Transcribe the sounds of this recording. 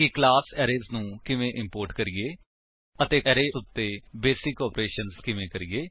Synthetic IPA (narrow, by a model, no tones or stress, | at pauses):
ɪklaːsɛːɾeːznũːkɪʋẽːʔɪmpoːɾʈkəɾiɡeː | ət̪eːɛːɾeːsʊt̪ːeːbeːsɪkɔːpɾeːʃənzkɪʋẽːkəɾiɡeː